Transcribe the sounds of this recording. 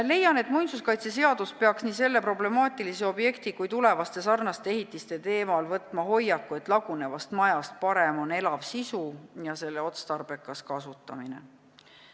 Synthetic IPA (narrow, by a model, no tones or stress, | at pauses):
le̞jːɑne̞t̪ːˑmujnsuskɑjt̪se̞s̬e̞ɑd̪̥uspe̞ɑksniːse̞lːe̞pɾo̞ble̞mɑːt̪ˑiliseo̞bje̞kt̪ikujt̪ule̞vɑst̪e̞sɑrnɑst̪eeɦit̪ːˑist̪e̞t̪e̞ːmɑlvɤt̪ːˑmɑɦo̞jːɑkːue̞t̪ˑlɑɡ̥une̞vɑst̪mɑjɑst̪̚pɑɾe̞mo̞ne̞lɑvsisujɑse̞lːe̞o̞t̪st̪ɑrbe̞kːˑɑskɑsut̪ːˑɑmine̞̰